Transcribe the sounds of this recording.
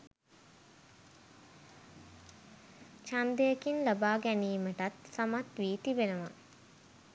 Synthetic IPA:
t͡ʃand̪əjəkinlɐbaːɡæniːməʈat̪samat̪ʋiːt̪iʋenəʋa

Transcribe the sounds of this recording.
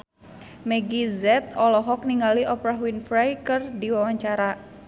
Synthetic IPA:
mɛɡizɛt̪̚ɔlɔɦɔk̚niŋɡaliʔɔpɾaɦwinfɾajkɨrdiwawaɲt͡ʃaɾa

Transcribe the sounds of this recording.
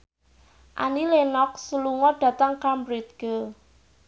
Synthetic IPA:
ʔa̰nilenɔk̚suluŋɔɖ̥ä̤t̪aŋkambɾit̪̚ɡ̥ə

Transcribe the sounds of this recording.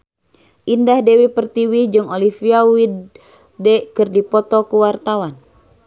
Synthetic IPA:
ʔindahdɛwipərt̪iwihd͡ʒɨŋolifiawid | dɛʔkɨrdipɔt̪ɔkuwart̪awan

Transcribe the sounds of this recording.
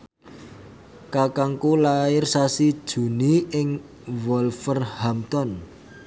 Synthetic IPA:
kakaŋkulaɪrsasid̥ʒ̥ṳniɪŋ | wɔlfərhamt̪ɔn

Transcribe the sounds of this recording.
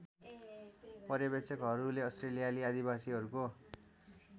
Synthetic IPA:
pʌɾjʌbet͡sʌkɦʌɾuleʌstrelijaliad̪ibasiɦʌɾuko

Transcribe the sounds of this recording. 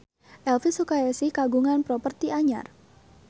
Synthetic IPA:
ʔɛlfisukaɛsikaɡuŋanpɾɔpərt̪iʔaɲa̰r

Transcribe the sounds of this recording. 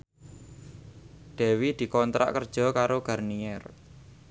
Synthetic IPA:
ɖ̪̥ɛ̤wid̪̥i̤kɔnt̪ɾa̰ʔkərd̥ʒ̥ɔ̤kaɾoɡ̥a̤rniɛr

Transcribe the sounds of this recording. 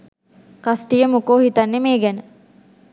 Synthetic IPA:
kasʈijəmukoːɦit̪anːemeːɡænə

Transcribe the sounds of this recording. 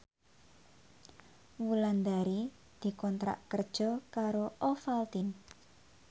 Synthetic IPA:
wuland̪aɾi | d̪̥i̤kɔnt̪ɾa̰ʔkərd̥ʒ̥ɔkaɾoʔɔfalt̪in

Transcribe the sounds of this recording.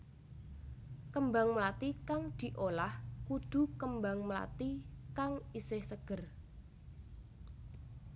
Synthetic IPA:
kəmbaŋməlat̪ikaŋd̪̥i̤ʔolahkud̪̥ṳkəmbaŋmla̰t̪ikaŋisɪhsəɡ̥ə̤r

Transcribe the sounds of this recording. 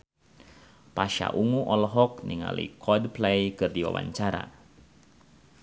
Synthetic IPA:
paʃa̰ʔuŋuʔɔlɦɔk̚niŋalḭkʰɔdplɛjkɨrdiwawa̰ɲt͡ʃaɾa̰

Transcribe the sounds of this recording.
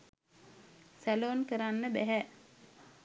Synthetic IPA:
sæloːnkəɾanːəbæɦæ

